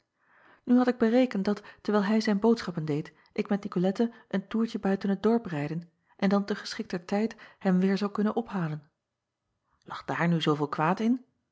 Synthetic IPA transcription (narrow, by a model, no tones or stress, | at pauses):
nyɦɑtɪɡ̚bərejkəntdɑtːəɹʋɛjlˠɦɛjzɛjnbowtsχɑpəndejt | ʔɪkmɛtnikolɛtəʔəntuːɹcəbœɥtənɦət̚dɔɹprɛjdən | ʔɛndɑntəχə̥sχɪk̚təɹtɛjthɛmʋɪːɹzɑwkɵnənʔɔpɦaːlən | lʔɑχd̥aːɹnyzowvɪːlˠkʋaːtɪn